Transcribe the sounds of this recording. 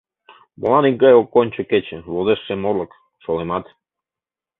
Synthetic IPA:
mo̰lˠɑniŋkɑjokːonʲt͡ɕə̆ket͡ɕeβozeʃːemorlˠə̆k | ʃolemɑt̪

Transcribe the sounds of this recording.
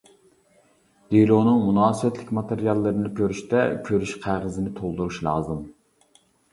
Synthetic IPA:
d̪̥elonɨŋmunɑːsɨwɛt̪ʰlɪkʲmɑt̪eɾijɑlˠːɨɾɨnɪkʲʰøɾyʃt̪ɛkʲʰøɾyʃqʰæʁəzɪnɪt̪ʰolˠd̪uɾuʃlˠɑ̰ːzɨm

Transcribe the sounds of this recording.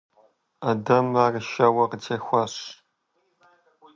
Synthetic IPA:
adɐmarʃɐwɐqəd͡ʒexʷɐɕ

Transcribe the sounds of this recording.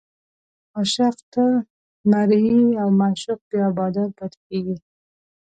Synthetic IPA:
aʃaqt̪a | maɾiawmaʃʊq̚bjabɑd̪aɾbat̪keɡi

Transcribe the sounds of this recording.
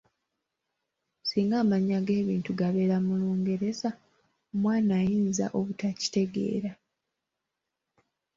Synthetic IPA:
siːŋɡaːmaɲaɡe̞ːβiːntuɡaβe̞ːɾamuluːŋɡe̞ɾe̞za | omwaːnaːjiːnza̰ʔo̞βutaci̥te̞ɡe̞̰ːɾa

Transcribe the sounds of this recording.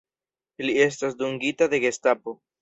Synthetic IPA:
lie̞s̬tas̬duŋɡitade̞ɡe̞stapo

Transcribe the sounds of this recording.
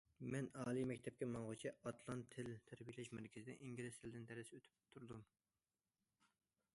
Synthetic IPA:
mɛnɑːlˠimɛkʲt̪ʰɛp̚kʲɛmɑŋʁʊt͡ʃʰiɑt̪lˠɑnt̪ʰːɪlt̪ʰæɾbijlɛʃmɛɾkʲʰɪzɪd̪ɛ̰ʔiŋɡʲilɪst̪ʰɪld̪ɪnt̪ʰɛɾɪsøt̪ʰy̥p̚t̪ʰuɾd̪um

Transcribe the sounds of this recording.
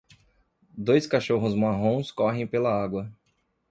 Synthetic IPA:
d̪ojskaʃoɦʊzmaɦõskɔɦẽj̃pelɐaɡwɐ

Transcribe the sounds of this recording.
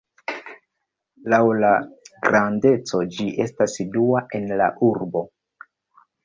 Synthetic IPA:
lawlaɡɾʔande̞t͡so̞d͡ʒiʔe̞stasiduaʔe̞nla̰ʔuɾbo̞

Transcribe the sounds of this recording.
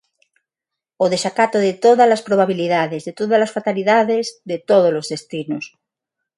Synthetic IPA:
oðeʃakat̪oðet̪oðalaspɾoβaβiliðaðezðet̪oðazlasfat̪aliðaðezðet̪oðozlozðest̪inos

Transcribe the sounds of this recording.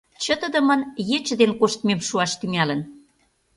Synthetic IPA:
t͡ɕə̆t̪ə̆d̪ə̆mə̆njet͡ɕə̆d̪enkoʃt̪memʃuɑʃt̪yŋælə̆n

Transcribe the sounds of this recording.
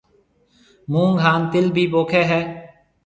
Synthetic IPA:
mũːŋɡʱaːnt̪ɪlbʱiːboːkʰeːɦɛː

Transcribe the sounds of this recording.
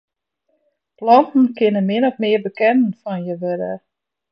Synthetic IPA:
plɔntn̩kɪnənmɪnɔxmɪəbəkɛnənfɔnjəʋødə̰

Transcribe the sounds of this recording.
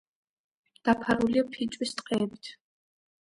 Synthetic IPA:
d̪̥apʰaɾuliapʰit͡ʃʼwist̪ʼqʼɛːbit̪ʰ

